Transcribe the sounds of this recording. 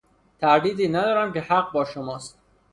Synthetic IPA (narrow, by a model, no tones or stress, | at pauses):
t̪ʰæɾd̪iːd̪iːnæd̪ɒːɾæmce̞hæɢ̚bɒːʃomɒːst̪